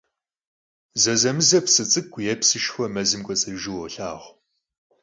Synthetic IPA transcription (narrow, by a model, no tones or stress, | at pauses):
zɐzɐmɨzɐpsɨt͡sʼɨkʷʰʼːjɛpsɨʃxʷɐmɐzɨmkʷʼɔt͡sʼɨʒɪwɔɬaːʁʷ